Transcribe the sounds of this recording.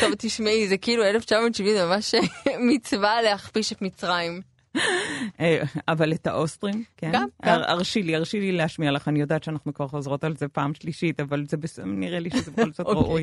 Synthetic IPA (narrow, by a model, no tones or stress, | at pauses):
t̪ovt̪iʃmeizekiiːlueleft͡ʃamodʃivinzmamaʃemit͡svaleaχpiʃet̪mit͡sʁaim | eavaletaʔostʁimkeaa̰ʁʃiliaʁʃilileaʃmialaχanijo̞daːt̪ʃeanaχnukvaʁχozʁo̞talzepaːmʃliʃitavalzebesniʁeliʃezebexolkt͡satʁaʔuj